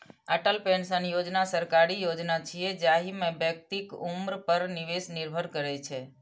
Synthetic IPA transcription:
aʈəlpɛɳsənijod͡ʒnasəɾkaɾijod͡ʒnat͡ʃʰied͡ʒaɦimẽbjək̚t̪ikumɾpəɾniʋesniɾbʱəɾkəɾet͡ʃʰe

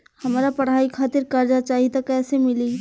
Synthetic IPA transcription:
hɐmɾapəɽ̤aːikʰaːt̪ɪɾkəɾd͡ʒat͡ʃaːɦit̪akɛːsemɪli

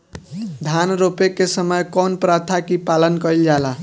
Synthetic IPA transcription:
d̪ʱanɾopekːesəməjkɔnpɾat̪ʰakipalənkəild͡ʒala

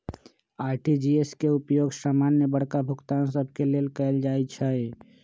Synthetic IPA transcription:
aɾʈid͡ʒieskeupjoɡsaːmanjəbəɽ̤kabʱukt̪ansəbʱkelelkɛɪld͡ʒaɛt͡ʃʰɛe

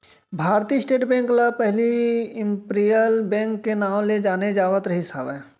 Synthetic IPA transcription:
bʱaːɾt̪isʈeːʈbɛ̃ːŋklapɛɦliɪ̃mpɾijəlbɛ̃ːŋkːenaːmled͡ʒaːned͡ʒaːʋət̪ɾɐɦisa̰ːʋɛː

